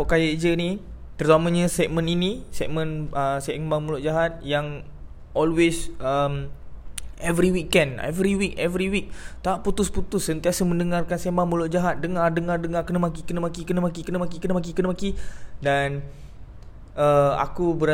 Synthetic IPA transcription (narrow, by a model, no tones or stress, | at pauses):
ʔkajaʔd͡ʒəni | t̪ərt̪amãɲə̃sɛk̚mə̃ninisɛk̚mə̃nəsɛʔmbaŋmulʊʔ̚d͡ʒaɦat̪̚jaŋ | ʔɔlwesəm | ɛvɾiwikɛ̃ndɛ̰vɾiwik̚ɛvɾiwik̚t̪aʔput̪ʊsput̪ʊsːənt̪iasəmə̃ndəŋarkansɛmbaŋmulʊʔ̚d͡ʒaɦat̪̚dəŋardəŋardəŋarkənəmak̬ikənəmakikənəmakikənəmakikənəmak̬ikənəmakidan | əa̰kubəɾa